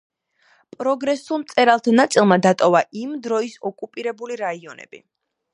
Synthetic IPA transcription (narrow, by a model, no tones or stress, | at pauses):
pʼɾɔɡɾɛsulˠmt̪sʼɛɾalˠt̪ʰanat̪sʼilˠmad̪at̪ʼɔvaʔimd̪ɾɔisɔkʼupʼiɾɛbuliɾaiɔnɛ̰b̥ḭ